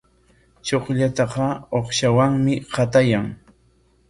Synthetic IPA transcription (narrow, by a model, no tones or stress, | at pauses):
t͡ʃoχʎat̪ɑqɑoχʃawaŋmɪqɑt̪ajaŋ